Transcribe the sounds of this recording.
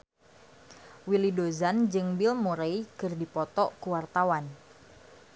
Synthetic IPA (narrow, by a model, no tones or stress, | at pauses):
wilidozand͡ʒɨŋbɪlmuɾejkɨrdipɔt̪ɔkuwart̪awan